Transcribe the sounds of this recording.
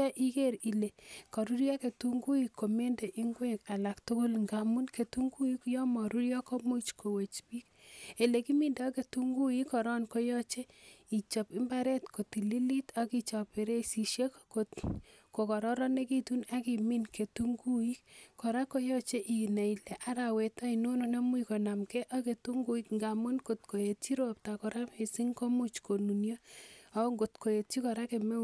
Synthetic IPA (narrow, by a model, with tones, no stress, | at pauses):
a˦ʔi˦ke˦˨ɾi˨le˨kɔ˨ɾu˦ɾja˦ke˨tu˦ŋɡu˦i˦kʰːo˨me˦nde˨ʔi˦ŋɡwe˦ka˨la˨ktʊ˦kʊ˦lŋɡa˨mu˦nke˨tu˦ŋɡu˦i˦kjɔ˦mɔ˨ɾu˦ɾjɔ˦ko˦mu˦t͡ʃko˨we˨t͡ʃpi˦ke˨le˨ki˦mi˦nde˨ɔ˦ke˨tu˦ŋɡu˦i˦kɔ˨ɾɔ˦nko˦jɔ˦t͡ʃe˦i˨t͡ʃɔ˨pi˦mba˦ɾɛ˦tko˨ti˨li˦li˦ta˦ki˦t͡ʃɔ˨pe˨ɾe˦si˨ʃje˦kkotko˨kɔ˨ɾɔ˦ɾɔ˦ne˦ki˦tu˦na˦ki˨mi˦nke˨tu˦ŋɡu˦ji˦kkɔ˨ɾa˦ko˦jɔ˦t͡ʃe˦ʔi˨ne˨ilɛ˨ʔa˨˦ɾa˨we˨tɔ˦ino˦no˦na˦mu˦iko˨na˨mkɛ˦ʔa˦ke˨tu˦ŋɡu˨i˦kŋɡa˨mu˦nko˨tko˨je˨ti˦ɾo˨p̚ta˨kɔ˨ɾa˦me˨si˦ŋko˦mu˦t͡ʃko˨nu˨njo˦a˦ŋɡo˨tko˨je˨ti˦kɔ˨ɾa˦ke˨me˦